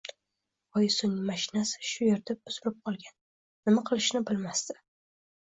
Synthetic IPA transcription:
ɒjsʊnmaʃɪnasɪ̥ʃʊjeɾt̪ʰɪp̚ʊsʊɾɪp̚qʰɒlˠɡʲanː | ɪmaqʰɨlˠɪʃnɪbɪlmast̪ɪ̥

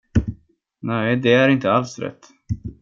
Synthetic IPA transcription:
næɪd̪ɛæɾɪnt̪əalsɾɛ̰t̪ː

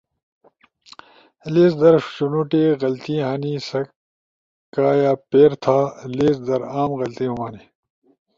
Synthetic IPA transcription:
leːzd̪ɐɾɕunuʈeːɣɐlt̪iɦaːniːsɐ | kaːjaːpeːɾt̪ʰaːleːzd̪ɐɾaːmɣɐlt̪iɦumaːniː

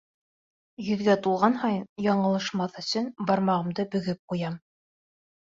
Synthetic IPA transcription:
jɵ̆ðɡæt̪ulˠʁɑnhɑjnjɑɴɤ̆lˠɤ̆ʃmɑθɵ̆sɵnbɑɾmɑʁɤ̆md̪ɤbɵ̆ɡɘp̚qujɑm

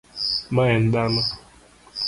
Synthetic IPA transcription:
maɛn̩dana

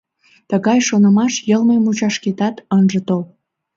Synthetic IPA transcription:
t̪əɣɑjʃonəmɑʃjəlmemut͡ɕɑʃket̪ɑt̪ənʒət̪ol

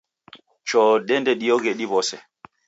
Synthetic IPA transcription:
t͡ʃɔdɛndɛɗijɔɡeɗibɔsɛ

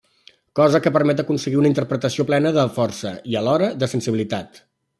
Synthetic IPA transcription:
kɔzəkəpəɾmɛt̪əkunsəɣiunəint̪ərpɾət̪əsioplɛnəðəfɔrsə̰iəlɔɾəðəsənsiβilit̪at̪

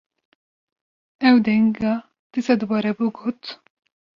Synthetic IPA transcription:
ɛwd̪ɛŋɡɑ | t̪isad̪ɨbɑɾɛbuɡoːt̪

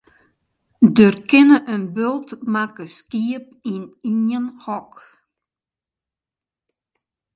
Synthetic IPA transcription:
dørkɪnəʔənbølˠtmakəskiəp̚ininənhɔk

